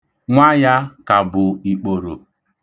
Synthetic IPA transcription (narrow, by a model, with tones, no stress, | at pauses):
ŋʷa˦ja˦ka˨bʊ˨i˨k͡po˨ɾo˨